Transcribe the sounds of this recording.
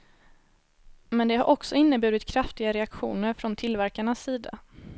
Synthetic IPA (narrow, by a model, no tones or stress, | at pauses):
mɛnd̪ɛɦaɾʔɔksɔɪnːəbʉ̟ːɾɪt̪kʰɾaft̪ɪɡaɾɛakɧṵːnəɾfɾɔnt̪ʰɪlvæɾkaɳasːiːd̪a̰